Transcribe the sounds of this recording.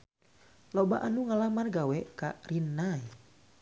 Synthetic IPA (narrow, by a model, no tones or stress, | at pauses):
loba̰ʔanuŋalamarɡawɛkarinːaj